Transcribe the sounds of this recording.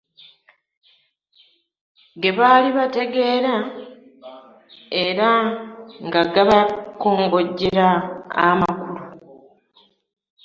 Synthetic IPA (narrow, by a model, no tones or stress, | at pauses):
ɡeβaːliβate̞ɡe̞ːɾa | e̞ɾa | ŋɡaɡaβakoːŋɡo̞ɟːeɾaːmakulu